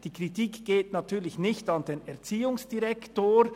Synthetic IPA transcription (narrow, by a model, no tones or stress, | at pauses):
d̥iːkʁ̥itiːkɡ̥eːtnatʰyːlɪçnɪçtɑnd̥eːnɛɐt͡siːʊŋsd̥iʁɛktoːɾ